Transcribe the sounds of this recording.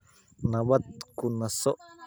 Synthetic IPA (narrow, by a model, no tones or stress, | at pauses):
naβat̪̚kunasoʔ